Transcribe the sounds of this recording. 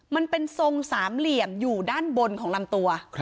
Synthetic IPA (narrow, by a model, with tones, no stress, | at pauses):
ma˧npe˧nso˧ŋsaː˩˦mli˨˩əmjuː˨˩daː˥˩nbo˧nkʰɔː˩˦ŋla˧mt̪u˧ɐ